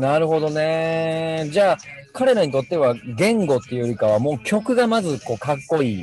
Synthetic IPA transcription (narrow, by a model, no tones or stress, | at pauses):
naɾɯ̟ɦo̞d̪o̞ne̞ | d͡ʑaː | kaɾe̞ɾaɲ̟it̪o̞t̪ːe̞β̞aɡẽ̞ŋɡo̞t̪ːejoɾʲikaβamo̞ːkʲo̞kɯ̟ɡamazɨko̞ːkakːo̞iː